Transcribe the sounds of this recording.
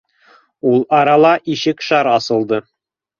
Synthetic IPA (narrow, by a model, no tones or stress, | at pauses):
ulˠɑɾɑlˠɑʔiɕɘkʃɑɾɑsɤ̆lˠd̪ɤ